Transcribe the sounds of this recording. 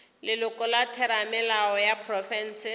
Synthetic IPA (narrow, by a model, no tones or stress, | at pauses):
lɪlʊkɔlatʰɛɾamɪlaɔjapʰrɔfɛn̩ːsɪ